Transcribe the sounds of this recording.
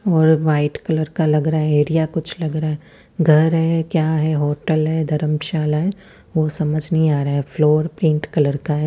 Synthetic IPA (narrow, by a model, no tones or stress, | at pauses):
ɔːɾʋaːɪʈkɐləɾkalɐɡɾaːɦɛeːɾijakʊt͡ʃʰlɐɡɾaɦɛ | ɡʱɐɾɦɛkjaːɦɛɦoːʈəlɦɛd̪ʱɐɾəmʃaːlaɦɛ | ʋoːsɐməd͡ʒʱnɐɦĩaːɾaaɦɛfloːɾpɾĩːɳʈkɐləɾkaɦɛ